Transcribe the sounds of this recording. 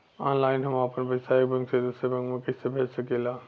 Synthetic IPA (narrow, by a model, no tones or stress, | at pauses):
aːnlaːɪnɦɐmaːpənbɐɪsaek̚bɐ̃ŋɡsed̪usɾebɐ̃ŋɡmẽkɪsebʱeːt͡ʃsɐkelaː